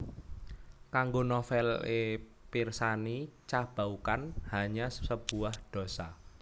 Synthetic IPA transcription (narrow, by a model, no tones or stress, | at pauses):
kaŋɡonɔfɛle | pirsanit͡ʃab̥aukanhaɲasəb̥uwahd̪̥o̤sa